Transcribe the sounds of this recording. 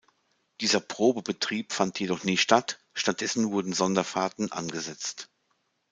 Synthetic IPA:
d̥iːzɐpʁ̥oːbəbətʁ̥iːpfantʰjedɔχnɪːtʃtat | ʃtat̚d̥ɛsn̩vʊɐdn̩zɔndɐfaːɐtn̩ʔa̰nɡəzɛt͡st

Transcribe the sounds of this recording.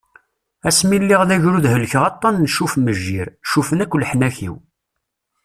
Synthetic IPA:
æsmilːɪʁðæʝɾuðɦəlçʁɑt̪ˤːɑnːʃufməʒːiɾʃufənækʷːlħnæçḭw

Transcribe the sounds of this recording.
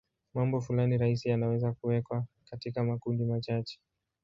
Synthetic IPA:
mambɔfulaniɾaisijanawɛzakuwɛkwakatikamakundimat͡ʃat͡ʃɛ̥

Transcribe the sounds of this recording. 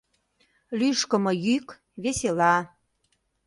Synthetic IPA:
lyʃkə̆mɤjyk | βeselɑ

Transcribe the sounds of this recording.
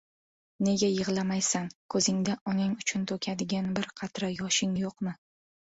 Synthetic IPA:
ne̞ɡʲajɨʁlˠamajsankʰɵzɪŋd̪aɒnɪŋʊt͡ʃʰʊnt̪ʰokʲʰad̪ɪɡʲanbɪɾqʰɑt̪ɾajɒʃɪŋjoqmɪ

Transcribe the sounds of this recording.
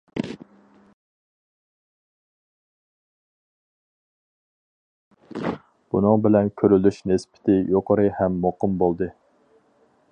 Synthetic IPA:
b̥unɨŋbɪlɛnkʲʰøɾylyʃnɪspɪ̥t̪ʰɪjoqʰəɾɨhɛmːoqɨmbolˠd̪ɨ

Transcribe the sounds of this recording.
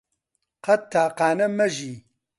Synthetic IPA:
qɐt̪ʰːaːqaːnɐmɐʒiː

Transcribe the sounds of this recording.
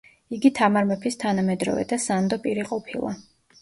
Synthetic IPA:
iɡit̪ʰamaɾmɛpʰist̪ʰanamɛd̪ɾɔ̰vɛ̰d̪asand̪ɔpʼiɾiqʼɔpʰilˠa̰

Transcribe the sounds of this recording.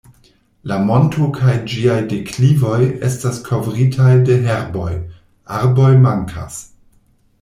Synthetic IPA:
lamo̞ntʰukʰajd͡ʒiajdeklivo̞jestaskʰo̞vɾitʰajde̞ɦeɾbo̞j | ʔaɾbo̞jmaŋkʰa̰s

